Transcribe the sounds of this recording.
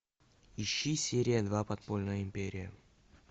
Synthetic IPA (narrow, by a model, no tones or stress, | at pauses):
ɪɕːisʲeɾʲɪjəd̪vapɐt̪̚polʲnəjəɪmʲpʲeɾʲɪjə